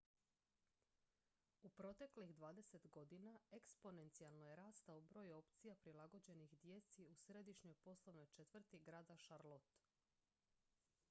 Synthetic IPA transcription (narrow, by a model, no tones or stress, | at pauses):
upɾo̞t̪e̞klixd̪ʋaːd̪e̞se̞t̪ɡo̞d̪inaekspo̞ne̞nt̪sijalˠnojeɾaːst̪aubɾo̞ːjo̞pt̪sijapɾilaɡo̞d͡ʑe̞nixd̪je̞t̪siusɾed̪iʃɲo̞jpo̞slˠo̞ʋno̞jt͡ʃe̞t̪vr̩t̪iɡɾaːd̪aʃaɾlˠo̞t̪